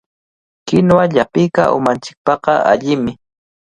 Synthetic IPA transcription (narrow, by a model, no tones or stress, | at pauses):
kɪnwaʎapɪjka̰ʔʊ̰mant͡ʃɪ̥k̚pɑqɑa̰ʎɪmɪ